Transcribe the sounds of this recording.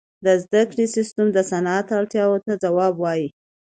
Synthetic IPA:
d̪əzd̪akɽisɪst̪ʊmd̪əsanat̪aɽt̪jɑwot̪ad͡zawɑbwɑji

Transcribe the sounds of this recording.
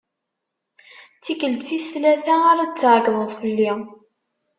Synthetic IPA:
t͡sːikəld̪θislæθæaɾad̪t͡sːəʕɡðˤəðˤfəlːi

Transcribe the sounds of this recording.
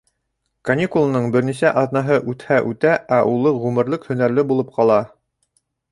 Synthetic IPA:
kɐnʲikulˠanɤɴbɘ̆ɾnisæʔɑðnɑɦɤʔʉt̪hæʔʉt̪æʔæʔulˠɤʁʉmɘ̆ɾlɘkhɵ̆næɾlɘbulˠɤp̚qɑlˠɑ

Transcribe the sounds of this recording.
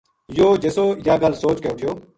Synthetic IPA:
joːd͡ʒesoːjaːɡalsoːt͡ʃkeːʊʈʰɪjoː

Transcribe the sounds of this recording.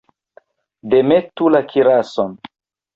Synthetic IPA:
de̞metulakʰiɾason

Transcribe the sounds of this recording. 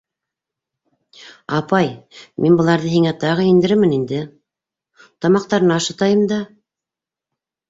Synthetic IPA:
ɑpɑjminbɤ̆lˠɑɾðɤɦiŋæt̪ɑʁɤind̪ɘ̆ɾɘɾmɘnind̪ɘ | t̪ɑmɑq̚t̪ɑɾɤ̆nɑːʃɤ̆t̪ɑjɤmd̪ɑ

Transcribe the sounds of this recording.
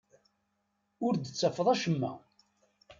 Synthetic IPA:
ʊɾd̪ət͡sːəfəðˤæʃəmːæ̰

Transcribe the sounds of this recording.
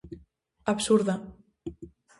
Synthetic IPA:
aβsuɾða

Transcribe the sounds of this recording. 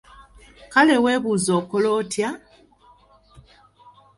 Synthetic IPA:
kale̞we̞ːβuːzo̞ːkolo̞ːtja

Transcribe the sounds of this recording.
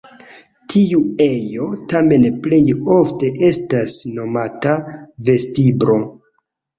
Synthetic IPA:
tʰiue̞jo̞tame̞nple̞jo̞fte̞ʔe̞stasno̞matave̞stibɾo̞

